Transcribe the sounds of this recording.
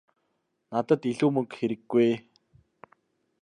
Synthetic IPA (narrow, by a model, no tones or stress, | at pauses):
nat̪ə̆t̪iɮuːmɵŋkxeɾɘ̆ɡːuj